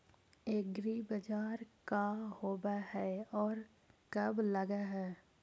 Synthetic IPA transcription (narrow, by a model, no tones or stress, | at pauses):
eːɡɾibəd͡ʒaːɾkahoːbahɛɔːɾ | kəbləɡaɦɛː